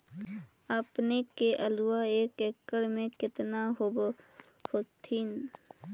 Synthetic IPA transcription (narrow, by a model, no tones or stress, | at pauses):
əpnekeʔəluwaeːkekːəɽmẽkɪt̪naɦobhot̪ʰiːn